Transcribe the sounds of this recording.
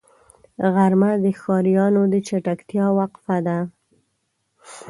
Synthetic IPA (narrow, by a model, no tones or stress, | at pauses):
ɣaɾmad̪əxɑɾijɑnod̪ət͡ʃaʈakt̪jɑwaqfad̪a